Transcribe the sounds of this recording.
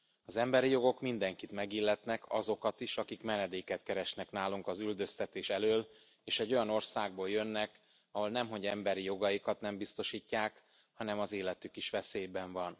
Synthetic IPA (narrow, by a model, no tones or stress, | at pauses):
ɒzɛmbɛɾijo̞ɡo̞kmind̪ɛŋkit̪mɛɡilːɛt̪nɛkʰɒ̰zo̞kɒt̪iʃɒkikmɛnɛd̪eːkɛt̪kɛɾɛʃnɛknaːluŋkɒzyld̪ø̞st̪ɛt̪eːʃɛløːl | eːʃɛɟːo̞jɒno̞rsaːɡ̚boːljø̞nːɛk | ɒɦo̞lnɛmɦo̞ɟɛmbɛɾijo̞ɡɒjikɒt̪nɛmbist̪o̞ʃiːcːaːk | hɒnɛmɒzeːlɛt̪ykiʃʋɛseːjbɛɱvɒn